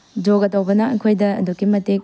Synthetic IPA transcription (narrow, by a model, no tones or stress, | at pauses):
d͡ʒoɡɐtɐwbɐnɐːkʰojdɐ̰ːdukimɐtek̚